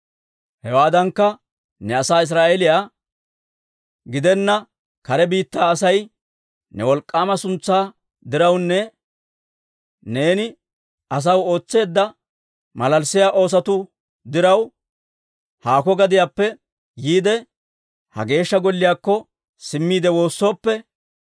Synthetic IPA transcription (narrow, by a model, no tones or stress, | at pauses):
hɛwaːd̪ɐŋkːɐ | nɛɐsaːɪs̬ɾaːʔeɛlɪjaː | ɡɪd̪ɛnːɐ | kɐɾɛbiːt̪ːaːsɐj | nɛwɔlkʼːaːmɐsʊnt͡sːaː | d̪ɪɾɐwnːɛ | ne̞ːnɪ | ɐs̬ɐwo̞ːt͡sːe̞ːd̪ːɐ | mɐlɐlsːɪjaːʔo̞ːs̬ɐt̪ʊ | d̪ɪɾɐw | haːkɔɡɐd̪ɪjaːpːɛ | jiːd̪ɛ | hɐ̰ɡe̞ːʃːɐɡɔlːɪjaːkːɔ | sɪmːiːd̪ɛwo̞ːsːo̞ːpːɛ